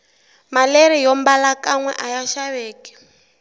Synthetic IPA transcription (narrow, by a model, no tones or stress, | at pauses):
maleɾijɔmbalakaŋwɛ̰ʔajaʃaβeːkɛ̥